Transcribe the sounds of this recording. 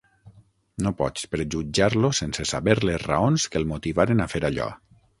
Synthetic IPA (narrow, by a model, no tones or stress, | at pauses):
nopɔt͡ʃt͡speɾʒud͡ʒaɾlosensesaβeɾlezra̰onskəlˠmut̪iβaɾenafeɾaʎɔ̰